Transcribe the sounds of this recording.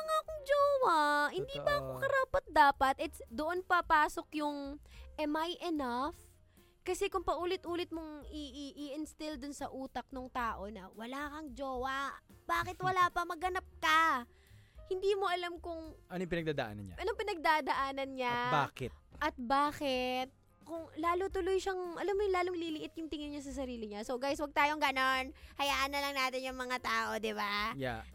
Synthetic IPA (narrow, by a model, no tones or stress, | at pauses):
mɐŋaːɐkoŋd͡ʒoːwɐhɪnd̪iːpɐʔɐkokɐɾaːpɐt̪̚d̪aːpɐt̪ʔɛt̪d̪oʔo̞npɐpaːso̞kjʊŋʔɛmajʔɛnaf | kɐsɛkʊŋpɐʔuːlɪt̪ʔuːlɪt̪̚moŋiʔiʔiʔɪnst̪ɪld̪ʊnsɐʔuːt̪ɐk̚noŋt̪aːʔo̞nɐwɐlaːkɐŋd͡ʒoːwɐb̥aːkɪt̪wɐlaːpɐmɐɡɐnap̚kɐ | hɪnd̪iːmo̞ʔɐlamkʊŋʔɐnoj̃pɪnɐɡ̚d̪aːd̪ɐ̰ʔa̰ːnɐ̰nɲa̰ʔɐnoŋpɪnɐɡ̚d̪ad̪ɐʔaːnɐnɲaba̰ːkɪt̪̚ʔɐt̪̚baːkɪt̪̚ | kʊŋlaːlʊt̪ʊlʊjʃɐŋʔɐ̰lamːojʊlaːloŋliːlɪʔɪt̪jʊŋt̪ɪŋɪnɲas̬ɐs̬ɐɾiːlɪɲasowɡajswɐɡ̚t̪aːjoŋɡɐno̞nhɐjaːʔɐnːɐlɐŋnaːt̪ɪnjʊŋmɐŋat̪aːʔo̞d̪ɪbaja̰